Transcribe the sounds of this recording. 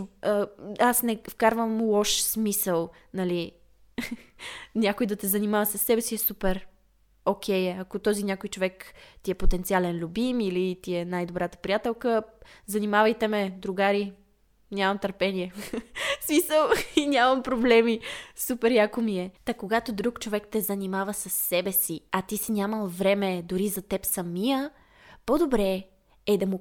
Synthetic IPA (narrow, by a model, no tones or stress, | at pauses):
əasnɛfkaɾvəmlˠɔʃsmisəlˠ | nɐli | nʲakojd̪ɐt̪ɛzɐnimavɐsɐsːɛbɛsiɛsupɛɾ | okʰʲɛjɛɐkot̪ɔzinʲakojt͡ʃovɛkt̪iɛpot̪ɛnt̪sialɛnlʲubimilit̪iɛnajd̪obɾat̪ə̥pɾijat̪ɛlˠkəzɐnimavəjt̪ɛmɛd̪ɾuɡaɾi | nʲamɐmt̪əɾpɛniɛ | smisəlˠinʲamɐmpɾoblɛmisupɛɾjakomiɛt̪ɐkoɡat̪od̪ɾukt͡ʃovɛkt̪ɛzɐnimavəsəsːɛbɛsiɐt̪isinʲaməlˠvɾɛmɛd̪ʊɾizɐt̪ɛpsɐmijə | pod̪obɾɛ | ɛd̪ɐmu